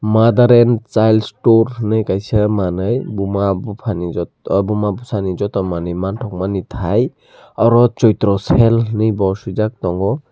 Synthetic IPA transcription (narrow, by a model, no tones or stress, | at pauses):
mad̪aɾɛnt͡ʃajlsʈoɾnɯjkajsamanɯjbumabupʰanid͡ʒɔ | bumabusanid͡ʒɔt̪ɔmanɯjmantʰɔk̚manit̪ʰaj | awɾɔt͡ʃɔjt̪ɾɔsɛlnɯjbɔsud͡ʒak̚t̪ɔŋɡɔ